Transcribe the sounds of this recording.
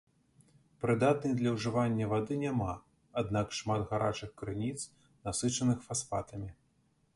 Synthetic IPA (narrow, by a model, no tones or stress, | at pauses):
pɾɨd̪at̪̚nɨjd̪lʲɐwʐɨvanʲːɐvad̪ɨnʲama | ad̪nakʂmad̪ɣaɾa̰t͡ʂɨxkɾɨnʲit̪s | nasɨt͡ʂɐnɨxfasfa̰t̪ɐmʲi